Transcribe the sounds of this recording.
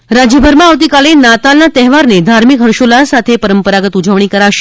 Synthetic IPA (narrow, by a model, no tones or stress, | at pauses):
ɾad͡ʒjəbʱəɾmãaʋt̪ikalenat̪alnat̪ɛɦʋaɾned̪ʱaɾmikɦəɾʃolasat̪ʰepəɾəmpəɾaɡət̪ud͡ʒəʋɳ̃ikəɾaʃe